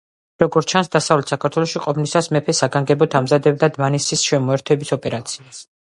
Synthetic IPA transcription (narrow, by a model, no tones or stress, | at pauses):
ɾɔɡɔɾt͡ʃʰansd̪asavlɛt̪ʰsakʰaɾt̪ʰwɛlɔʃiqʼɔpʰnisasmɛpʰɛsaɡaŋɡɛbɔt̪ʰamzad̪ɛb̚d̪ad̪vanisisʃɛmɔɛɾt̪ʰɛbisɔpʼɛɾat̪sʰias